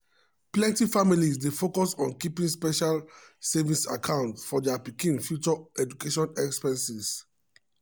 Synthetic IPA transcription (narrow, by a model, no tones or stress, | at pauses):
plɛ̃ntifamilisdefokɔsɔ̃nkipĩŋspɛʃalsɛvisakʰãʊ̃ntfɔdɛapikĩnfjut͡ʃɔɛd͡ʒukeʃɔ̃nɛkspɛ̃nsis